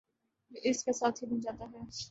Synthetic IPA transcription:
ʔɪskesaːt̪ʰɦibɐ̃nd͡ʒaːt̪aɦɛ

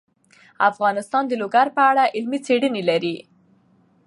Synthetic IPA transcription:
afɣɑnɪst̪ɑnd̪əloɡaɾpəaɽaʔɪlmit͡seɽənelaɾi

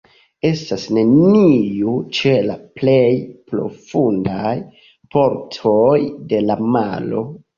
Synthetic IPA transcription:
e̞stasne̞niut͡ʃe̞laple̞jpɾo̞̰fundaj | pʰo̞ɾtʰo̞jde̞lama̰lo̞

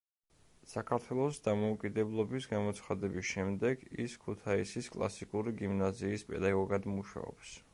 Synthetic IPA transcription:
sakʰaɾt̪ʰwɛlˠɔsd̪amɔukʼid̪ɛblˠɔbisɡamɔt̪sʰχad̪ɛbisʃɛmd̪ɛɡḭskʰut̪ʰaisiskʼlˠa̰sikʼuɾiɡimnaziːspʼɛ̰d̪aɡɔɡad̪muʃa̰ɔ̰ps

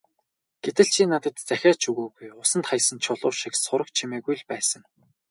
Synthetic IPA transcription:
ɡ̥et̪ɘ̆ɮt͡ɕʰinat̪ə̆t̪t͡sæxʲaːt͡ɕʰuɣuːɣujʊsə̆nt̪χajsə̆nt͡ɕʰʊɮʊːʃiksʊɾə̆k̚t͡ɕʰimeːɣujɮpæːsə̆ŋ

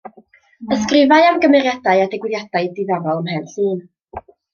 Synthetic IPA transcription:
əskrɪvaɨamɡəmɛrjadaɨadɛɡwɪðjad̥aɨdɪðavɔlˠəmhɛnɬɨːn

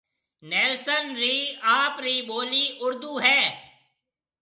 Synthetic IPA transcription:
nɛːlsənɾiːaːpɾiːboːliːʔʊɾd̪uːɦɛː

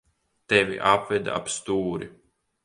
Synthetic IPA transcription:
t̪evʲḭʔapvɛd̪a̰pst̪uːɾi

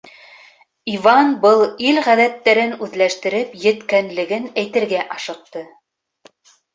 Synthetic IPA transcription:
ivɑnbɤlˠilʁæðæt̪ːæɾɘnʉðlæʃt̪ɘ̆ɾɘpjɘ̆t̪kænlɘ̆ɡɘnæjt̪ɘ̆ɾɡæʔɑʃɤ̆q̚t̪ɤ

